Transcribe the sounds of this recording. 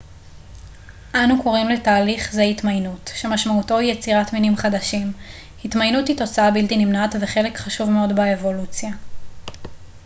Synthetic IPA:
ʔanuko̞ʁimletaːliχzehitmajnutʃe̞maʃmauto̞ijet͡siʁatminimχadaʃim | hitmajnuthito̞t͡saabiltinimnatveχe̞le̞kχaʃuvmeo̞dbaevo̞lut͡sja

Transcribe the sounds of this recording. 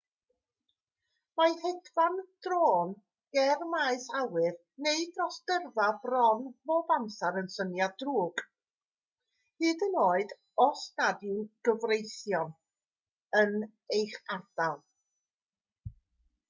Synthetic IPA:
majhɛdvand̥roːn | ɡ̥ɛrmaːɨsawɨð | neɨdrɔsɡ̥ərvabrɔnb̥oːbamsaɾənsənjadruːɡ̥ | hɨːdənoːɨd | ɔstadjʊnɡ̥əvrejθjɔn | ən | ejχard̥alˠ

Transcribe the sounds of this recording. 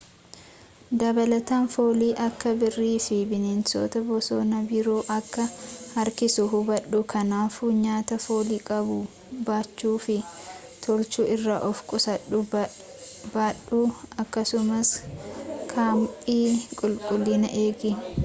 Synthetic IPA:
d̪ɐbɐlɐt̪aːnfoːliːʔɐkːɐbɪrːiːfɪbɪnenso̰ːt̪ɐbɔsoːnɐbɪɾoːʔɐkːɐɐɾkɪsʊɦʊbɐɗːʊkʰɐnaːfuːɲaːt̪ɐfoːliːkʼɐbʊ | baːt͡ʃːuːfɪ | t̪ʰɔlt͡ʃuːʔɪrːaːʔɔfkʼʊsɐᶑʊ | baːɗʊɐkːɐsʊmɐs | kʰaːmpʼiːkʼʊlkʼʊlːinɐ̰ʔe̞ːɡɪ

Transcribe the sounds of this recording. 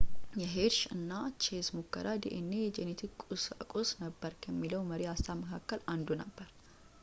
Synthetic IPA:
jɛɦeɾʃɨnːat͡ʃʰesmokːə̰ɾad̪ḛʔɨnːejɛd͡ʒenet̪ʰikusɨ̰kʼosnəbːəɾkʰəmːiləwməɾiast̪ʰaməkʰakːəland̪unəbːəɾ

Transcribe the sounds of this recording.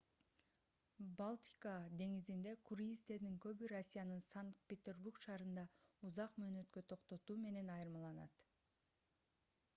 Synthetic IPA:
balˠt̪ʲi̥kɑd̪e̞ŋizind̪e̞kʰuɾiist̪e̞ɾd̪iŋkø̞βyɾosʲːijanɯnsaŋkt̪̚pʲet̪ʲe̞rburkʃɑːɾɯnd̪ɑuzɑqmøːnø̞t̪kø̞t̪ʰo̞qt̪o̞t̪uːme̞ne̞nɑjɯɾmɑlˠɑnɑ̰t̪

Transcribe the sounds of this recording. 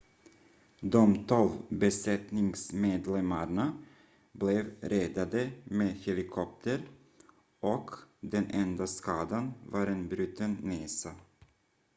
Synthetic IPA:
d̪ɔmt̪ʰɔlvbɛsɛt̪nɪŋsmeːd̪lɛmaɳa | blɛvɾɛd̪ad̪əmeːd̪hɛlɪkʰɔp̚t̪ʰəɾ | ʔɔkd̪ɛnʔɛnd̪askɑːd̪anvaɾeːnbɾʉ̟ːt̪ənneːsa

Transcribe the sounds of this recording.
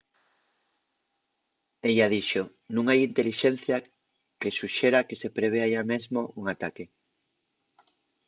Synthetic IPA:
eʎað̞iʃo | nũŋajint̪eliʃen̟θja | kesuʃeɾakesepɾeβ̞eaʎamezmouŋat̪ake

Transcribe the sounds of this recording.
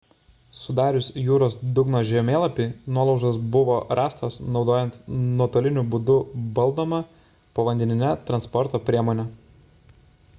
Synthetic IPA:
sʊd̪ɑːɾʲʊsʲjuːɾoːsd̪ʊɡnoːʒʲɛmʲeːlˠɐpʲinuɔlˠɒʊʒɐsbʊʋoːɾʔɑːst̪osnɒʊd̪oːjɛnt̪nɔt̪oːlʲɪnʲʊbʊd̪ʊbɐlˠd̪oːmɐ | poʋɐnʲd̪ʲɛnʲɪnʲɛt̪ɾɐnspɔɾt̪oːpʲɾʲiɛmoːnʲɛ

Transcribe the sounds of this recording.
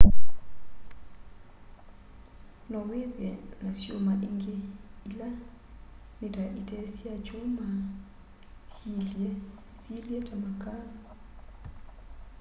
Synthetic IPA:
nɔweβɛnasjomaʔeŋɡeila | neɾaʔitɛsiat͡ʃoma | siljɛtamaka

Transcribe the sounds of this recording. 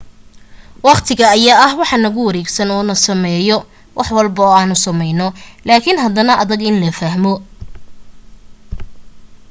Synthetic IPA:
wɑqt̪ʰɪɣɐɐjaːɐhwɑħɑnɐɣʊwɐɾɛːɡsɐnɔːnɐsɐmɛːjɔ | wʔɑħwɑlbɐɔːaːnʊsɐmɛjnɔlaːkʰɪnɦɐd̪ɐnɐʔɐðɐɡɪnlɐfɐɦmɔ

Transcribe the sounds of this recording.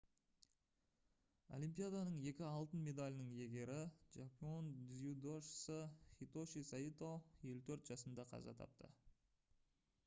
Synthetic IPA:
o̞̰lijmpijad̪ɑnəɴe̞kʲɪɑlˠt̪ənmʲe̞d̪alʲɪnəɴje̞ɡʲe̞ɾɪʒapio̞nzud̪oʃə̥səχʲit̪oʃisait̪oje̞lut̪ʰɵɾt̪ʒɑsənd̪ɑqʰɑ̰zɑ̰t̪ʰɑ̰p̚t̪ə̰

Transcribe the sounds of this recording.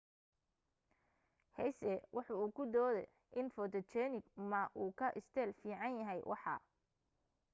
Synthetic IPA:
hɛjsɛwʔɑħɑuːkʰʊd̪ɔːðɛ̰ | ʔɪnfɔt̪ɔt͡ʃɛːnɪɡmɐʔuːkʰɐʔɪst̪ʰɛːlfiːʕɑnjɐɦɛjwʔɑ̰ħɑ̰ː

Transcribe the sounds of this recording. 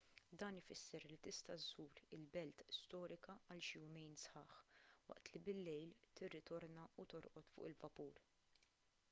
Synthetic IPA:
d̪ɐːnɪfɪsːɛɾlit̪ɪst̪ɐzuːɾɪlbɛlt̪st̪ɔːɾɪkɐɐlʃɪjʊmɛjnsħɐ̰ːħwɐ̰ʔt̪libɪlːɛjlt̪ɪrːɪt̪ɔɾnɐut̪ɔɾʔɔt̪fʊ̰ːʔɪlvɐpuːɾ

